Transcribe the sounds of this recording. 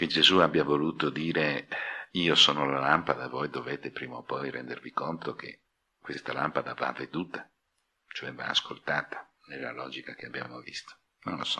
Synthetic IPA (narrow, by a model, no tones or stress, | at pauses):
ked͡ʒezuabjavoluːt̪od̪iːɾe | iːosoːnolalampad̪avojd̪oveːt̪epɾiːmaopɔjrɛnd̪ervikont̪ok̟ḛ | kwest̪alampad̪ava̰vːed̪uːt̪ḁ | t͡ʃoɛva̰ːskolt̪aːt̪ḁ | nelːa̰lɔːd͡ʒikak̟eabja̰ːmovist̪o̥ | nonlosɔ̥